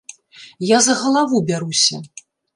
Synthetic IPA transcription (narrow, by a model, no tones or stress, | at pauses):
jazɐɣɐlˠavubʲaɾusʲɐ